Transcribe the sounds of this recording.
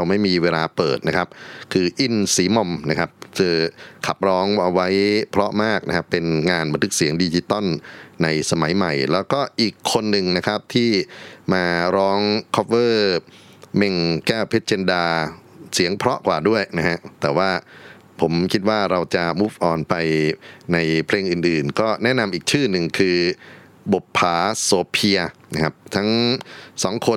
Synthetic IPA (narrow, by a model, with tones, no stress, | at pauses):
a˧wma˥˩jmiː˧weː˧laː˧pɤː˨˩t̪̚na˦˥kʰa˦˥p̚kʰɯː˧ʔi˧˩nsiː˩˦mo˧mna˦˥kʰa˦˥p̚sɯː˧kʰa˨˩p̚ɾɔː˦˥ŋʔa˧wa˦˥jpʰɾɔ˦˥ʔmaː˥˩k̚na˦˥kʰa˦˥pe˧nŋaː˧nba˧nt̪ʰɯ˦˥k̚si˩˦əŋdiː˧t͡ɕi˧˥t̪ɔ˥˩nːa˧jsa˧ma˩˦jma˨˩jlɛː˦˥wkɔː˥˩ʔiː˨˩kʰːo˧nːɯ˨ŋna˦˥kʰa˦˥p̚t̪ʰiː˥˩maː˧ɾɔː˦˥ŋkʰɔ˦˥p̚wɤː˥˩ | me˧ŋkɛː˥˩wpʰe˦˥t̪̚t͡ɕe˧ndaː˧si˩˦əŋpʰɾɔ˦˥ʔkwaː˨˩du˥˩əjna˦˥kʰa˦˥ʔt̪ɛː˨˩waː˥˩ | pʰo˩˦mkʰi˦˥t̪̚waː˥˩ɾa˧wt͡ɕa˨˩muː˦˥˩p̚ʔɔː˨˩npa˧jna˧jpʰleː˧ŋʔɯː˨˩nʔɯː˨˩nkɔː˥˩nɛ˦˥ʔna˧mʔiː˨˩k̚t͡ɕʰɯː˥˩nɯ˨˩ŋkʰɯː˧ | bo˨˩t̚pʰːaː˩˦soː˧pʰi˧ɐna˦˥kʰa˦˥p̚t̪ʰa˦˥ŋsɔː˩˦ŋkʰo˧